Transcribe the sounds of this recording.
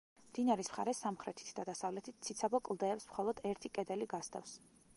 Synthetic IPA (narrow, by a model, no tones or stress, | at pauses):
md̪̥inaɾismχa̰ɾɛsamχɾɛt̪ʰi̥t̪ʰd̪ad̪asavlɛt̪ʰit̪̚tsʰit̪sʰabɔkʼlˠd̪ɛːpsmχɔlˠɔd̪ɛɾt̪ʰikʼɛd̪ɛliɡast̪ʰʼa̰fs